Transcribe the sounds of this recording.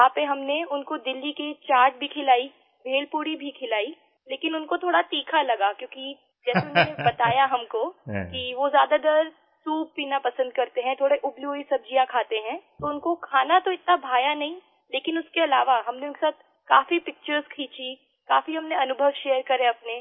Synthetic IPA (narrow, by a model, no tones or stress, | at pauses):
aːpeɦɐmneʊnkod̪ɪlːiket͡ʃaːɾʈ̚bʱikʰɪlaːi | bʱeːlpuːɽibʱikʰɪlaːi | leːkɪnʊnkot̪ʰoːɽat̪iːkʰalɐɡakjõːki | d͡ʒɛːseʊnɦõnebɐt̪aːjaɦɐmkokiʋozjaːd̪ad̪ɐɾ | suːpːiːnapɐsə̃nd̪̚kɐɾt̪eɦɛ̃t̪ʰoːɽeʔʊbluːisɐb̚d͡ʒijãkʰaːt̪eɦɛ̃ːt̪oʊnkokʰaːnat̪oɪt̪nabʱaːjanɐɦĩ | leːkɪnʊskeɐlaːʋaɦɐmneʊ̃nke̥saːt̪̚ʰ | kaːfipɪk̚t͡ʃəɾzkʰiːt͡ʃi | kaːfiɦɐmneɐnʊbʱəʋʃeːəɾkɐɾẽɐpne